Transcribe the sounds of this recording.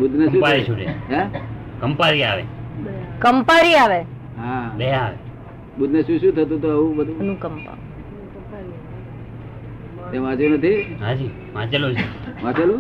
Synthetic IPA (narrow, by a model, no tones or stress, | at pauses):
bud̪ʱnəũpaɾiʃũdḛɦɛ̃kəmpaɾiaʋḛ | kəmpaɾiaʋe | ɦãɗeɦaʋḛ | bud̪nəʃũʃũːt̪ʰət̪̬ũt̪oəũbəd̪ʱũnũkəmpa̰ | t̪ẽʋãt͡ʃenət̪ʰiɦãd͡ʒi | ʋãt͡ʃəlũd͡ʒʰeʋãt͡ʃəlũ